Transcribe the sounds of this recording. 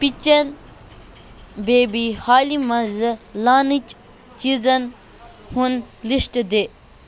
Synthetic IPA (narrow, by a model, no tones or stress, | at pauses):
pit͡ʃɐn | beːbihaːlimɐzlaːnit͡ʃ | t͡ʃizɐn | hun | liʂʈd̪eː